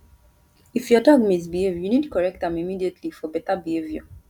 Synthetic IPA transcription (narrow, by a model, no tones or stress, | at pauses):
ifjɔdɔɡmis̬bihevjunidkɔɹɛk̚tãmimidietʰlifɔbɛtabieviɔ